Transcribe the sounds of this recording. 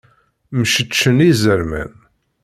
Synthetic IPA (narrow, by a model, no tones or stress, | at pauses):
mʃət͡ʃːənizəɾmæ̰n